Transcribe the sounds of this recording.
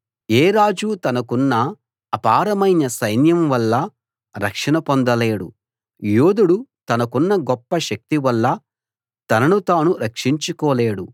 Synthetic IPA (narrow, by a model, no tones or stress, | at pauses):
eːɾaːd͡ʒut̪ɐnɐkunːɐː | paːɾɐmɐjnɐsɐjnjɐmʋɐlːɐ | ɾɐ̰kʂɐnɐpond̪ɐleːɽṵ | joːd̪uɽut̪ɐnɐkunːɐɡɔpːɐʃɐk̚t̪iʋɐlːɐ | t̪ɐnɐnut̪aːnuɾɐkʂiɲt͡ʃukɔːleːɽu